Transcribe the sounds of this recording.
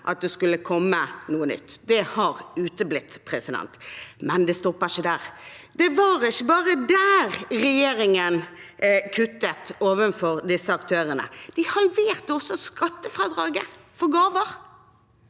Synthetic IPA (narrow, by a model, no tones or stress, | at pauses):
ʔɑt̪̚d̪ɛskʉlːəkʰɔmːənuːənʏ̰t̪ːd̪ɛhɑʁʉːt̪əblɪt̪ːpʰɾɛsɪd̪ɛ̰nt̪mɛnd̪ɛst̪ɔpːəɪçəd̪æːʁd̪ɛʋɑɾɪçːəbɑːʁəd̪æːʁɾɛjeːɾɪŋənkʰʉt̪ːət̪oːʋənfɔʁd̪ɪsːəɑkt̪ʰøːɾənə̰d̪̥ɪhɑlʋeːʁt̪əɔsːɔskɑt̪ːəfɾɑːd̪ɾɑːɡə | fɔɾɡɑːʋəɾ